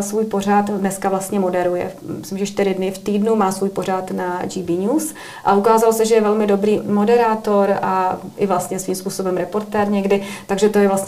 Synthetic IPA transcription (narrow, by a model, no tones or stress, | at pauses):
svuːjpo̞r̝at̪dnɛskavlast̪ɲɛmo̞dɛɾujɛ̰ | mɪslɪmʒɛʃt̪ɪɾɪdnɪft̪iːdnumaːsvuːjpo̞rat̪nad͡ʒibiːɲuːs | ʔa̰ʔukaːzalosɛʒɛjɛvɛlmɪdo̞bɾiːmo̞dɛɾaːt̪o̞ɾʔaʔɪvlast̪ɲɛsviːmspuːso̞bɛmɾɛpo̞ɾt̪ɛːɾɲɛɡdɪt̪aɡʒɛt̪o̞jɛvlast̪ɲ